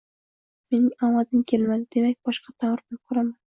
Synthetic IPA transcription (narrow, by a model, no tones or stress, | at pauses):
me̞nɪŋamad̪ɪmkʲʰe̞lmad̪ɪd̪̥e̞mak̚ʲb̥ɒʃqɑt̪ʰamɪɾbɪnqʰʊɾaman